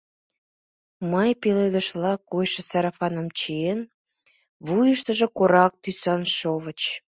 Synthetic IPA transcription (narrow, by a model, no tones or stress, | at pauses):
mɑjpeled̪əʃlɑkojʃə̆sɑɾɑfɑnəmt͡ɕijen | βujəʃt̪əʒə̆koɾɑk̚t̪ysɑnʃoβət͡ɕ